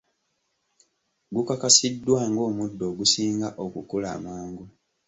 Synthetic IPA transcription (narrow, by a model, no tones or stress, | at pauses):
ɡukakasidːwaːŋɡo̞ːmudːo̞ɡusiːŋɡaʔo̞kukula̰ːmaːŋɡu